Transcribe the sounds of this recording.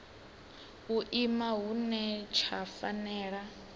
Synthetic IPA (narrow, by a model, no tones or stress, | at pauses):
uʔimaɦunɛt͡ʃʰafanɛːɺa